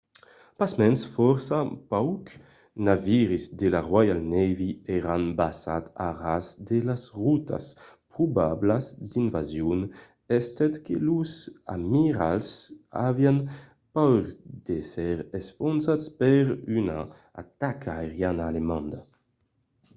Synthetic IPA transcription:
pasmɛnsfɔɾsapawk | naviɾizd̪elaʁwajalnɛviɛɾanbasa̰t̪a̰ʁazd̪elasʁut̪ʰa̰spɾubablazd̪invazjun | ɛst̪ɛt̪keluza̰miɾalsa̰vjan | pawɾd̪̥esɛɾɛsfɔnsaspɛɾyna̰ | a̰t̪akʰaeʁjanaːlemãnd̪a

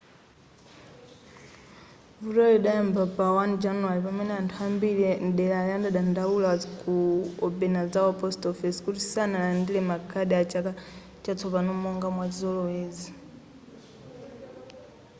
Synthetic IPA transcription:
vutɔliɗajɛmbapawand͡ʒanualipamɛnɛantʰuambilinɗɛlajandaɗandaulaakuɔbɛnazawɔpɔstɔfɛskutisanalandilɛmakʰaɗɛat͡ʃaka | t͡ʃat͡sʰɔpanɔmɔŋɡamwazɔlɔwɛːzi

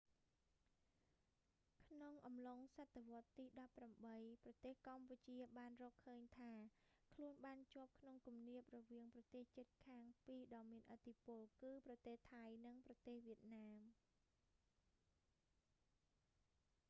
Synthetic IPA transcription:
kʰnoŋʔɑmloŋsat̪ʰːeʋŏət̪ːiːɗɑpːramɓəjprɑt̪eːhkamput͡ɕiəɓaːnrɔːkʰːəːɲt̪ʰaːkʰluənɓaːnt͡ɕŏəp̚kʰnoŋkumniəp̚rɔʋiəŋprɑt̪eːht͡ɕɨt̪̚kʰaːŋpiːɗɑːmiənʔət̪ʰːipʊ̆əlkɨːprɑt̪eːht̪ʰajnɨŋprɑt̪eːhʋiət̪̚naːm

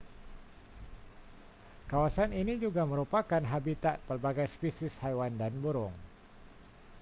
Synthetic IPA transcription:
kawasaninid͡ʒuɡaməɾupakanɦabit̪aʔ̚pərbaɡajspisɪshajwandanbuɾʊŋ

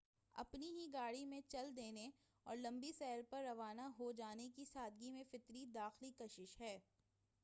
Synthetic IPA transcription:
ɐ̰pniɦiɡaːɽimẽt͡ʃɐld̪eːne | ɔ̰ːɾlɐ̃mbisɛːlpɐɾːɐʋaːnaɦod͡ʒaːnekisaːd̪̚ɡimẽfɪt̪ɾid̪aːxlikɐʃɪʃɦɛː

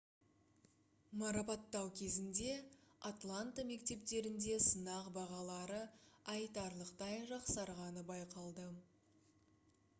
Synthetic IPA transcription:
mɑɾɑpɑt̪ːɑwkʲʰe̞zɪnd̪e̞at̪lˠant̪ame̞kt̪e̞p̚t̪e̞ɾɪnd̪e̞sənɑqbɑʁɑlˠɑɾəɑjt̪ɑɾlˠəqt̪ɑjʒɑqsɑɾʁɑnəbɑjqɑlˠd̪ə

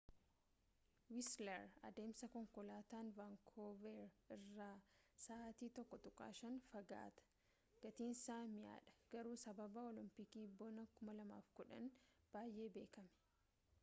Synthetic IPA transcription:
wɪslɛɾɐ̰d̪e̞ːmsɐkɔŋkɔlaːt̪aːnvaŋkʰoːvɛɾɪrːaːsaːt̪iːt̪ɔkːɔt̪ʊkʼa̰ːʃɐnfɐɡa̰ːt̪ɐ̥ | ɡ̥ɐt̪iːnsaːmɪja̰ːᶑɐ̥ɡ̥ɐɾuːsɐbɐbɐɔlɪmpɪkiːbɔnɐkʊmɐlɐma̰ːfkʊᶑɐn | b̥aːjʔe̞ːbe̞ːkɐmɛ̥

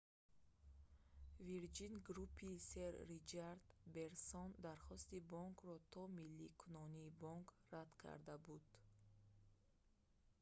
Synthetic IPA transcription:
viɾd͡ʒinɡɾupʰːiseɾːit͡ʃʰaɾd̪be̞ɾsɔnd̪aɾχɔst̪ibɔŋkʰɾɔt̪ʰɔmilːikʰunɔniːbɔŋkrad̪kʰa̰ɾd̪abud̪̥

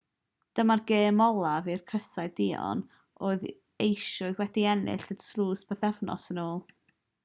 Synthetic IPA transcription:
d̥əmarɡeːmɔlˠavirkʰrəsaɨdɪɔ̰n | ʔoːɨð | ejʃʊɨðwɛdiɛnɪ̰ɬəd̥sluːsb̥əθɛvnɔ̰sənoːlˠ

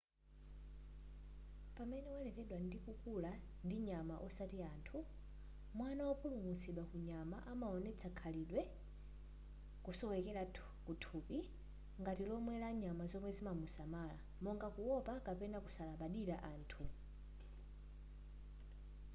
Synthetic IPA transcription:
pamɛnɛwɛlɛkɛɗwandikukula | ndiɲamaʔɔsatiaːntʰu | mwanawɔpʰulumusiɗwakuɲamaʔamaɔnɛt͡sʰakʰaliɗwɛ | kusɔwɛkɛɾa | kutʰuːpi | ŋɡatilɔmwɛlaɲamazɔmwɛzimamusamala̰ | mɔŋɡakuwɔpakapɛnakusalaɓaɗiɾaʔaːntʰu

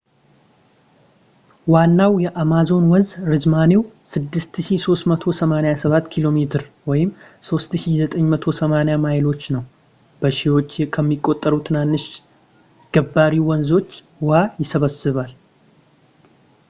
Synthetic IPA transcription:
wanːawjɛʔamazo̞nwɔzɾɨzmane̞w | sɨd̪ːɨst̪ɨʃiso̞st̪mət̪ʰo̞səmanejasəβat̪ːkʰilo̞met̪ʰɨɾwɔjɪm | so̞st̪ʃizət̪ʼəɲːmət̪ʰo̞səmanejamajɪlo̞t͡ʃːnəw | b̥əʃiwo̞t͡ʃːkʰəmːikʼːo̞t̪ʼːəɾut̪ʰɨnanːɨʃ | ɡ̥əbːaɾiwɔnzo̞t͡ʃː | wajɪsəβəsːɨβal

